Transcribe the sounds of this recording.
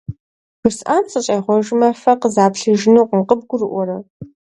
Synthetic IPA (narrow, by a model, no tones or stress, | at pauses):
ʒ̥ʷʊsʔaːnsʼɨɕʼɐjʁʷɔʒmɐfɐqəzaːpɬɨʒɪnuqʷəmqəb̚ɡʷʊrɨʔʷɔɾɐ